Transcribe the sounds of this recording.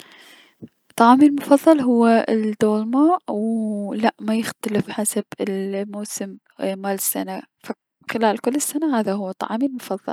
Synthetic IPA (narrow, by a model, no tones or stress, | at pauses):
t̪ˤːɑʕɑːmiːlmʊfɑðˤːɑlɦʊwːaɪd̪oːlmaːʔwlaʔmajɪxt̪alɪfħasab̥ɪlmowsɪm | maːlɪsːanafa | xɪlaːlkʊlːɪsːanahaːðaɦʊwːat̪ˤɑ̰ʕɑːmiːlmʊfɑðˤːɑ̰l